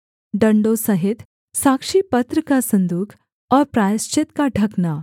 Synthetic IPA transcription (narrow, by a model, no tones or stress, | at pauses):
ɖəɳɖosɐɦit̪ | sakʂiːpət̪ɾəkasə̃nd̪uːkʰ | ɔɾpɾajst͡ʃit̪kaɖʱɐkna